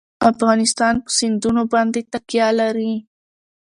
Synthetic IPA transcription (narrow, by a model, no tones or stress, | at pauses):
afɣɑnɪst̪ɑnpə̥sɪnd̪unobɑnd̪et̪aqjɑlaɾi